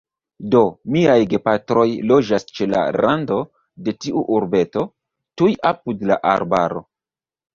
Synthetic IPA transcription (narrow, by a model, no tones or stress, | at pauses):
do̞miajɡe̞patɾo̞jlo̞d͡ʒast͡ʃe̞la̰ɾando̞ | de̞tiʔuʔuɾbe̞to̞ | tujapudla̰ʔa̰ɾba̰ɾo̞̰